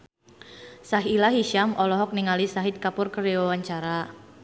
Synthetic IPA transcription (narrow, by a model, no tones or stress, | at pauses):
saɦilaɦiʃamɔlɔɦɔk̚niŋalisaɦɪt̪̚kapʊrkəɾeawaɲt͡ʃaɾa